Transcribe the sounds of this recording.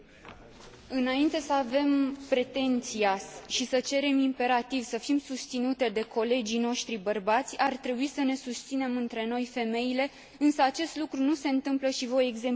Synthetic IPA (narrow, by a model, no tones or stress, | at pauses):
ɨnaint̪e̞səave̞mpɾe̞t̪e̞nt̪siaʃisət͡ʃe̞ɾe̞mimpe̞ɾat̪ivsəfimsust̪sinut̪e̞d̪e̞kʰo̞le̞d͡ʒijno̞ʃt̪ɾibərbat̪sʲart̪ɾe̞buisəne̞sust̪sine̞mɨnt̪ɾe̞no̞jfe̞me̞ile̞ | ɨnsəat͡ʃe̞st̪lukɾunuse̞ɨnt̪ɨmpləʃivo̞je̞ɡze̞m